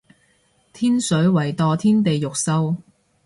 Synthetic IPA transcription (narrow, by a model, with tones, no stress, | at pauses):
t̪ʰiː˥nsɵ˨˥ɥwɐ˨˩jt̪ɔː˨t̪ʰiː˥nt̪e˨jːʊ˨k̚sɐ˥w